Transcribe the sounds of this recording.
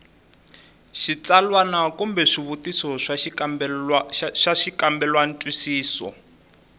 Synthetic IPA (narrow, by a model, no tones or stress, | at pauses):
ʃit͡salwanakumbɛʂiβutisɔʂa | ʃaʂikambɛlwan̩tʼwisiːsɔ̰